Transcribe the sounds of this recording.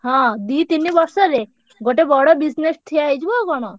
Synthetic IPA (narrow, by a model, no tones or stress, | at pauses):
hɔ̃d̪it̪inːibɔɾsɔɾe | ɡoʈebɔɽobisnesʈ̪ʰiejd͡ʑʰbokɔno